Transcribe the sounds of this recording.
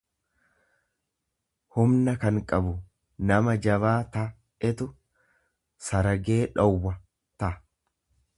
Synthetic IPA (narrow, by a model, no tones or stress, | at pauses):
hʊmnɐkɐŋkʼɐbʊ | nɐmɐd͡ʒɐbaːt̪ɐ | ɛt̪ʊ | sɐɾɐɡe̞ːᶑɔwːɐ | t̪ɐʔ